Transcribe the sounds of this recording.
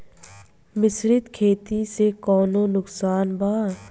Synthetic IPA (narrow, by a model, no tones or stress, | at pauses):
mɪsɾɪt̪kʰeːt̪isekɔːnonʊksaːnbaːɾ